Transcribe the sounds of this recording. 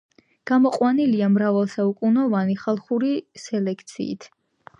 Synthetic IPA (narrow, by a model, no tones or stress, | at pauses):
ɡ̥amɔqʼwaniliamɾavalˠsaukʼunɔvaniχalˠχuɾisɛlɛkʰt̪sʰḭːt̪ʰ